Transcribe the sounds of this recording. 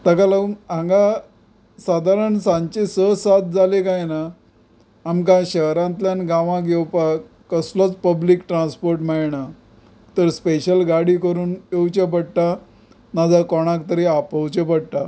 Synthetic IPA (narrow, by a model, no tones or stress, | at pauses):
t̪əkalaumãŋɡa | sad̪ʱaɾəɳsãɲt͡ɕesəsat̪̚d͡zʱalekajnaː | mk̬ãɕəɦɾãnt̪ljanɡãʋãɡewpa | kəslɔt͡spəbliːkʈɾãnspoɾʈmaɭɳa | t̪əɾspeɕəlɡaɽiːkəɾuːnewt͡ɕep̬əɽʈ̪a | nad͡zakɔɽ̃ãk̚t̪əɾiapəwt͡ɕepəɽʈ̪a